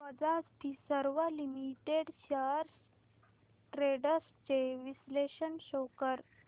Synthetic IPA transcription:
məd͡zad͡zt̪isəɾʋəlimiʈeɽɕaɾs | ʈɾeɽəst͡ɕeʋisleɕənɕokəɾ

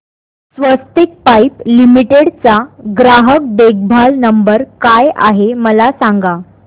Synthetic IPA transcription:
sʋəst̪ik̚pajplimiʈeɽt͡saɡɾaɦək̚ɖeɡ̚bʱalnəmbəɾkaja̰ɦeməlasaŋɡa

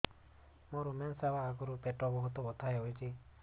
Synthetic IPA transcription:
moɾumensabaːkɔɾupeʈɔbɔɦut̪ɔbɔt̪ʰajojt͡ʃʰi

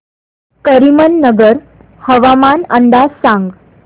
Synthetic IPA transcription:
kəɾimənːəɡəɾ | həʋamanəɳɖ̪asãŋɡ

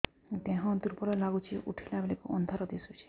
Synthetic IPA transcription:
t̪ẽɦɔ̃t̪uɾpɔɾɔlaɡut͡ʃʰiʔṵʈʰilabelikṵʔɔ̰nd̪ʱɔɾɔd̪esut͡ʃʰi̥

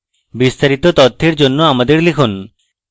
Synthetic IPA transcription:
bist̪aɾit̪ot̪ɔt̪ʰːeɾd͡ʑonːoamad̪eɾlekʰon

